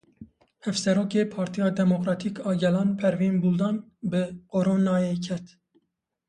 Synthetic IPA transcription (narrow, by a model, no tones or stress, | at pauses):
hɛvsɛɾoːkeːpʰɑːɾt̪ʰijɑːd̪ɛmokɾɑːt̪ʰiːkɑːɡɛlɑːnpʰɛɾviːnbuld̪ɑːnbɨqoɾoːnɑːjeːkʰɛt̪